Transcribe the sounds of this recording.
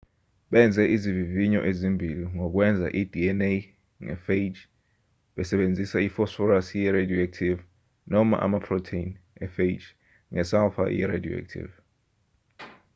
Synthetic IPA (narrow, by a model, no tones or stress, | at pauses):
ɓɛnd͡zʱɛʔiziviviɲɔ̰ʔezimbʱiliŋɔk̬wɛnd͡zʱa̰ʔid̥ʱiɛnej | ŋɛ̰fed͡ʒ | ɓɛsɛɓend͡zʱisaifɔsfɔɾasjɛɾedijɔɛk̚tʰiv | nɔma̰ʔa̰mapʰrɔtʰeinɛfed͡ʒ | ŋɛsalfa̰jɛ̰ɾḛdio̰ḛk̚tʰḭv